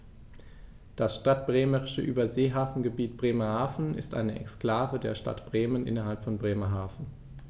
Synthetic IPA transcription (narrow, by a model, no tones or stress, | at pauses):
d̥asʃtat̚b̥ʁeːməʁɪʃəʔyːbɐzeːɦaːfn̩ɡəbiːt̚b̥ʁeːmɐhaːfn̩ɪ̰stʔa̰ɪnəʔɛ̰kskl̥aːvədeːɐʃta̰tb̥ʁeːmənʔɪ̰nɐɦalpfɔnbʁeːmɐɦaːfn̩